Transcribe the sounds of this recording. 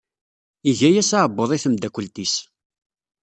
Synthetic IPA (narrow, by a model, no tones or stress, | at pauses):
iʝæjæsaʕəbːoðˤiθəmd̪ækʷːəlt̪is